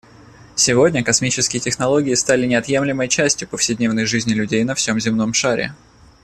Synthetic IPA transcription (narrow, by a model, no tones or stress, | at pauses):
sʲɪvo̞dʲnʲəkɐsmʲit͡ɕɪskʲɪjɪtʲɪxnɐlˠo̞ɡʲɪɪst̪alʲɪnʲɪɐt̪je̞mlʲɪməjt͡ɕæsʲtʲjʊpəfsʲɪdʲnʲe̞vnəjʐɨzʲnʲɪlʲʉdʲejnɐfsʲo̞mzʲɪmno̞mʂaɾʲɪ̰